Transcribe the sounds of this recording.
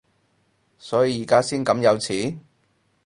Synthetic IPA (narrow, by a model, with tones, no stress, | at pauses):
sɔː˨˥ji˧jiː˨˩kaː˥siː˥nkɐ˨˥mjɐ˨˧wt͡sʰiː˨˥